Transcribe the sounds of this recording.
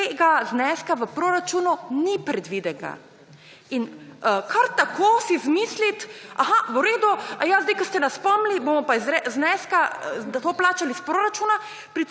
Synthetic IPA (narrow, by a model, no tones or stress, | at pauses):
t̪eɡaznɛskaʋəpɾoːɾat͡ʃununipɾɛd̪ʋid̪ɛɡa̰ | inəkʰaɾt̪akoːsizmislit̪axauɾeːd̪uajazd̪ejkəst̪ɛnaspɔmlibomɔpazɾɛznɛskad̪at̪oplaːt͡ʃalispɾoːɾat͡ʃuna | pɾit